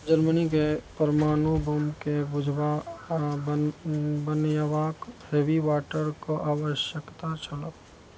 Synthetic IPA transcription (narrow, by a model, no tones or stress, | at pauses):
d͡ʒəɾmənikepəɾmaːnubomkebʊd͡ʒʱwa | bənjaʋaːkheːʋiwaːʈəɾkoʔaːwəʃjəkt̪at͡ʃʰələk